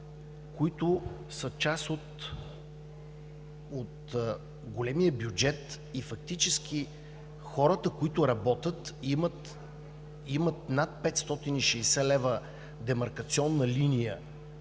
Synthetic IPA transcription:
koit̪ʊ | sət͡ʃasot̪ | ot̪ | ɡolɛmijəbjud͡ʒɛt̪ | ifɐk̚t̪it͡ʃɛsk̟i | xɔɾət̪əkʊit̪ʊɾɐbɔt̪ʲət̪mt̪ | imət̪̚nat̪̚pɛt̪st̪ɔt̪iniʃɛjsɛlɛvə | d̪ɛmɐɾkɐt̪siɔnːəlinijə

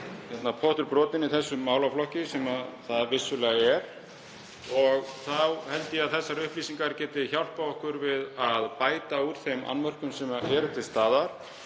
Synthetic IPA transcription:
çɛt̪napʰɔht̪ʏɾpɾɔːt̪ɪnɪθɛsːʏːaːwlawflɔhcɪsɛmaðθaðvɪsːʏlɛːɣaɛɾ̥ | ɔɣθawhɛlt̪ɪaðθɛsːaɾʏhplisiŋkaɾcɛːt̪ɪçawl̥pawɔhkʏɾvɪðaðpaːjt̪auɾ̥θejma̰nvœr̥kʏmsɛmaʔɛːɾʏt̪ʰɪlst̪aːðaɾ̥

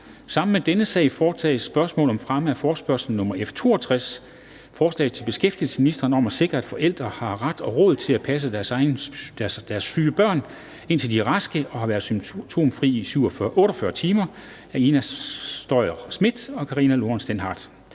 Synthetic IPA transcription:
sɑ̈m̰n̩med̥enəsɛ̰ɪfɒːt͡sʰɛ̰ːɪsːb̥ɶɐsmɔ̰̽ːlɒ̽mfʁaməæfɒːsb̥ɶɐsl̩n̩nɔ̽mɐʔeft͡sʰo̝̰ːɒt͡sʰʁas | fɒːslɛ̰ːð̩ˠt͡sʰe̝lb̥e̝sɡ̥efd̥il̩sə̥minisd̥ɐːnɒ̽mæse̝ɡ̥ʁɐæd̥fɒ̽ʔel̰d̥ʁɐhɑ̈ʁad̥ɒ̽ʁɔ̽ːð̩ˠt͡sʰe̝læpʰæs̬ədæɐsɑ̈ɪnd̥d̥æɐsfyːəb̥ɶɐ̰n | e̝n̰t͡sʰe̝ld̥iʁɑsɡ̥əʔɒ̽hɑ̈ʋæːɐðˠsyt͡sʰo̝̰ːmfʁḭːisyʊɒʔɔ̽ːɾɒfɶɐt͡sʰiːmɐ | æinæd̥ɒɪɐsmid̥ɒ̽kʰɑʁiːnælo̝ɐnsd̥enɦɑ̈d̥

